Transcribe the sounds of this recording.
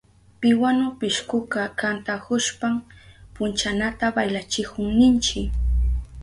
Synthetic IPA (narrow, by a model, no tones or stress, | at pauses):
pɪwanʊpɪʃkʊkakant̪akʊʃpampʊnt͡ʃanat̪abajlat͡ʃɪkʊŋnɪnt͡ʃɪk